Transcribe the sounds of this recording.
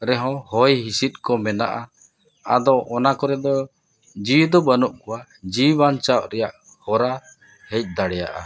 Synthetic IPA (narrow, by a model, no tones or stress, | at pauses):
ɾɛɦɔ̃hɔjɦisit̪̚ˀkɔmɛna̰ʔa | a̰d̪ɔʔɔnakɔɾɛd̪ɔ | d͡ʒid̪ɔbanɔʔkɔwa | d͡ʒibant͡ʃaʔ̚ɾɛjaʔ | hɔɾa | hɛc̚ˀd̪aɽɛja̰ʔa̰